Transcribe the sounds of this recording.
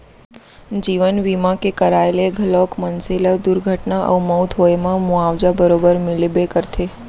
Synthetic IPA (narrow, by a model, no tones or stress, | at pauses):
d͡ʒiʋənʋimãkekəɾaeleɡʱəlɔkmənseləd̪uɾɡʱəʈnaʔə̰uməwt̪ʰɦoemãmuaʋd͡ʒabəɾobəɾmɪlebekəɾt̪ʰe